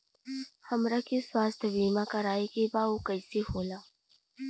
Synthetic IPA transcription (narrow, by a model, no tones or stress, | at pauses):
hɐmɾakiswaːst̪ʰəʋiːmãkɐɾaːikebaokəisehoːlaː